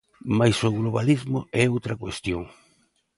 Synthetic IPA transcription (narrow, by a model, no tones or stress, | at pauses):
majsoɣloβalizmʊ̰ɛowt̪ɾakwest̪joŋ